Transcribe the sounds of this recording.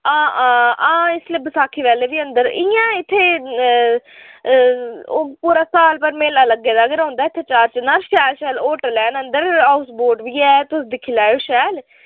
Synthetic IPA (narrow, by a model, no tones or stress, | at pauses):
ãːãːãːɪsleːbəsaːkʰiːʋɛːleːʋiːənd̪əɾɪjãːɪt̪ʰːeː | puːɾaːsaːlpəɾmeːlaːləɡːeːd̪aːɡəɾãːnd̪aːɪt̪ʰːeːt͡ʃaːɾt͡ʃnaɾʃɛːlʃɛːloːʈəlɛːnənd̪əɾaːʊsboːʈʋiːɛːt̪ʊsd̪ɪkʰiːlaːoːʃɛːl